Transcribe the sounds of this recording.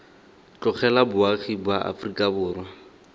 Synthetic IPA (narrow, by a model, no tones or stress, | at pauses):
t͡ɬʼɔk͡xʰɛlabʊaχibwaʔa̰frikʼabʊːrwa